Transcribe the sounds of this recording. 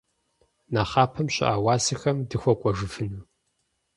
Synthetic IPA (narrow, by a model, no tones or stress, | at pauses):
naːχɑːpʰɐmɕʼɪ̰ʔaːwaːsixɐmdɨxʷɔkʷʼɔʒɨfɨnuː